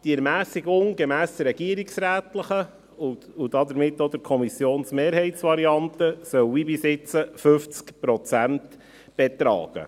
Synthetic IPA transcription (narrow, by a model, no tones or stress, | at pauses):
d̥iɛɾmæːsiɡʊŋɡɛmæːsd̥̪ɾɛɡ̥iːəɾɪksɾæːtləχə | ʊʊd̥ɑdəɾmɪtːod̥̪əɾkʰɔmisjoːnsmeːɾɦɛɪtsʋɑɾiɑnt̪əsœwibisɪt͡səfɵft͡skpɾɔt͡sænt | b̥ɛt̪ɾɑ̰ːɡ̥ə̰